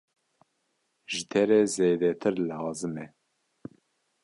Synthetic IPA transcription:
ʒɨt̪ʰɛɾɛzeːd̪ɛt̪ʰɨɾlɑːzɨmɛ

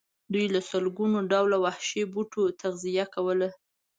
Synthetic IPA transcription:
d̪ujlasəlɡunoɖawlawahʃebuʈot̪aɣzijakawəla

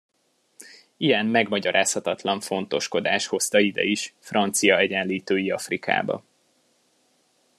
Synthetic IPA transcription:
ijɛnmɛɡmɒɟɒɾʔaːshɒt̪ɒt̪lɒɱfo̞n̪t̪o̞ʃko̞d̪aːʃho̞st̪ɒid̪ɛ̰iʃfrɒnt̪sijɒɛɟɛnliːt̪øːjiɒfrika̰ːbɒ̰

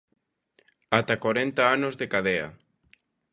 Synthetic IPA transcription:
at̪akaɾent̪aanozðekaðea̰

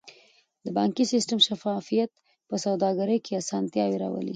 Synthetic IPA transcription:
d̪əbɑŋkisɪsʈəmʃafɑfijat̪̚ | pəsawd̪ɑɡaɾəjkʰeasɑnt̪jɑweɾɑ̰wə̰lḭ

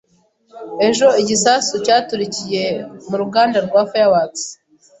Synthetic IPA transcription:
e̞ʒo̞iɟisaːsucaːtuɾicije̞muɾuɡaːndaɾɡwaːfojawaːt͡si̥

